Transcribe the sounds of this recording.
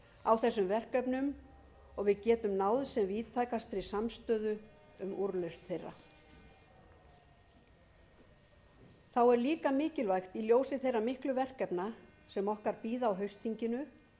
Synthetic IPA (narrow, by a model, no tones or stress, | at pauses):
awθɛsːʏmvɛr̥kœpnʏm | ɔɣvɪðcɛːt̪ʏmnaːwðsɛmviːt̪ʰajkast̪ɾɪsamst̪œːðʏ | ʏmuɾlœɥst̪θejrːa̰ | θawɛɾliːkamɪːcɪlvajxt̪iljoːwsɪθejramɪhklʏvɛr̥kɛpnasɛmɔhkaɾpiːðaːwɦœɥst̪ʰiɲcɪnʏ